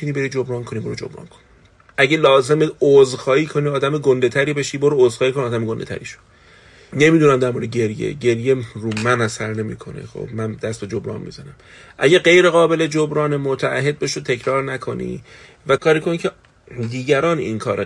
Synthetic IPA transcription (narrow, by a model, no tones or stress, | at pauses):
uniːbe̞ɾiːd͡ʒobɾɒːnkʰo̞niːboɾod͡ʒo̰bɾɒ̰ːnkʰo̥ni | ʔæɟelɒːze̞meozxɒːiːkʰoniːɒːd̪æmeɡond̪e̞t̪ʰæɾiːbe̞ʃiːboɾoozxɒːhikʰo̞niɒːd̪æmeɡo̞nd̪et̪ʰæ̰ɾḭʃo̥ | ne̞miːd̪unæmd̪æɾmoɾed̪eɟe̞ɾjḛɟe̞ɾjeɾumænæsæɾne̞mḭːkʰo̞nḛxo̰b̥mænd̪æst̪bed͡ʒobɾɒ̰ːnmḭːzænæm | ʔæ̰ɟæɡe̞jɾe̞ɣɒːbe̞le̞d͡ʒobɾɒːnemot̪ʰæʔæ̰ɦe̞d̪̚beʃot̪ʰe̞cʰɾɒːɾnækʰo̞nḭː | vækʰɒːɾiːkʰo̞nicʰe | d̪iːɟæɾɒːnḭnkʰɒːɾe